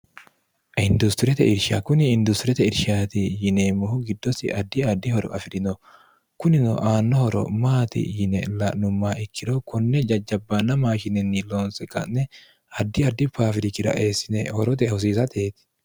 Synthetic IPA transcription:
ʔɪnd̪ʊst̪ɪɾɛt̪ɛ̰ʔɪɾʃakʊnɪːnd̪ʊst̪ɪɾɛt̪ɛɪɾʃaːt̪ɪjɪneːmɔhʊɡɪd̪ːɔsɪ̰ʔɐd̪ːɪɐd̪ːɪhɔɾɔ̰ʔɐfɪɾɪnɔ | kʊnɪnɔ̰ʔaːnːɔhɔɾɔ̰maːt̪ɪ̰jɪnɛ̰lɐʔnʊmːaːɪkːɪd̪ɔkɔnːɛd͡ʒɐd͡ʒːɐbːɐnɐmaːʃɪnɛnːɪloːnsɛkʼɐ̰ʔnɛ | ɐd̪ːɪɐd̪ːɪpaːfɪɾɪkːɪɾɐ̰ʔeːsːɪnɛhɔɾɔt̪ɛhʊs̬iːsɐt̪ʰeːt̪ɪ̥

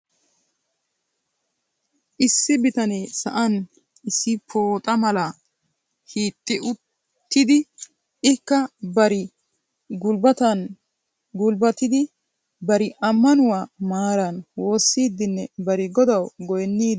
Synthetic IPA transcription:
ʔɪsːɪbɪt̪ɐneːsɐ̰ʔɐn | ʔɪsːɪpʰoːt̪ʼɐmɐlɐ | hiːt̪ʼːɪʔʊ | t̪ːɪd̪ɪ | ɪkːɐbɐɾɪ | ɡʊlbɐt̪ɐn | ɡʊlbɐt̪ɪd̪ɪ | bɐɾɪʔɐmːɐnʊwaːmaːɾɐnwo̞ːsːiːd̪ːɪnːɛbɐɾɪɡɔd̪ɐwɡɔjɛnːiː

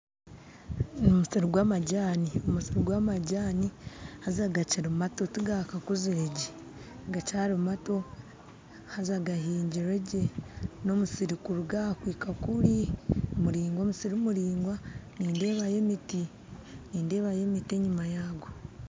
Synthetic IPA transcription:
nomusiɾiɡwaːmaɟaːniomusiɾiɡwaːmaɟaːnihazaɡaciɾimatotiɡakakuziɾeɟi | ɡacaːɾimato̞ | hazaɡaɦiːɲɟiɾeɟeno̞musiɾikuɾuɡakwiːkakuɾimuɾiːŋɡo̞ːmusiɾimuɾiːŋɡwaniːnde̞ːβaje̞miti | niːnde̞ːβaje̞mitie̞ɲimajaːɡo

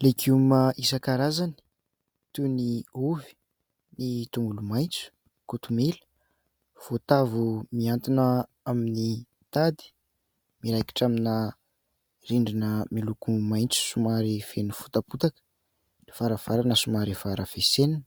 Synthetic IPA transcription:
lekumaʔisəkaɾazani̥ | t̪uniuvi̥ | nit̪uŋɡulumajnt͡su̥ | kut̪umelə̥ | v̥ot̪avumiant̪inə | amini | t̪ad̪i̥ | miɾajki̥ʈ͡ʂamina | riɳɖ͡ʐinəmilukumajnt͡su̥sumaɾifenufu̥t̪aput̪akə̥ | lev̥aɾəv̥aɾanəsumaɾivaɾəv̥esenin

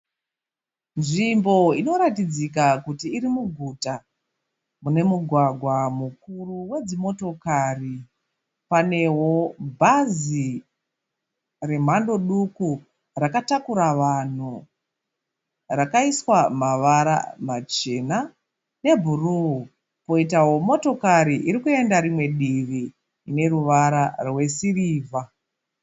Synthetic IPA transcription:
nʐimbo̞ino̞ɾatid͡zik̬akutiːɾimuɡʱuta | mune̞muɡʱwaɡʱwamukuruwe̞d͡zimo̞to̞kari | pane̞wo̞bʱazi | re̞m̤ando̞ɗuku | rakatakuɾaʋan̤u | rakaiswamaʋaɾa̰mat͡ʃe̞na | ne̞bʱuruu | po̞itawo̞mo̞to̞kaɾiʔiɾikue̞ndaɾimwe̞ɗiriː | ne̞ɾuʋaɾarwe̞siriːvʱa

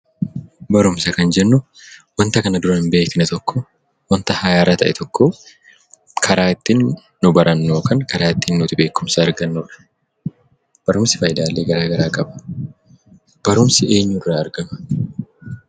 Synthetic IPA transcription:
bɐɾʊmsɐkɐnd͡ʒɛnːʊ | wɐnt̪ɐkɐnɐd̪ʊɾɐnɪmbe̞ːkɪnɛt̪ɔkʰːɔ | wɐnt̪ɐhɐjaːɾɐt̪ʰɐ̰ʔɛ̰t̪ʰɔkːoː | kʰɐɾaːɪt̪ːinː | ʊbɐɾʔɐnːoːkɐŋkɐɾaːɪt̪ːinːʊt̪ɪbe̞ːkːʊmsɐɐɾɡɐnːuᶑɐ̥ | b̥ɐɾʊmsɪ̥fɐjd̪aːlːeːɡɐɾaːɡɐɾaːkʼɐbɐ̥ | b̥ɐɾʊmsɪe̞ːɲːʊrːaːɾɡɐmɐ

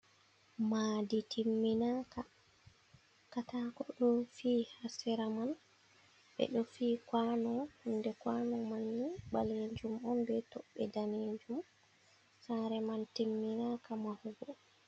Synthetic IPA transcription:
maːditʰimːinaka | katakɔɗɔfiːhasɛɾaman | ɓɛ̰ɗɔfiːkwanɔhɔndɛkwanɔmanːibaled͡ʒumɔnbɛtɔɓɛdaned͡ʒum | saɾɛmantimːinakamahuɡɔ

